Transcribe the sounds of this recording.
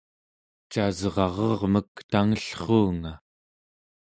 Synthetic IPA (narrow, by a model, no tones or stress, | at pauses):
t͡ʃazʁɑʁɑʁməkt̪aŋəɬχuːŋa